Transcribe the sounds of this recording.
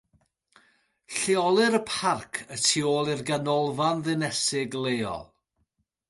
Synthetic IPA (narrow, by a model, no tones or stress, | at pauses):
ɬɪɔlˠɨɾəpʰarkʰətʰioːlˠɪrɡanɔlˠvanðɨnɛsɪɡlˠejɔ̰lˠ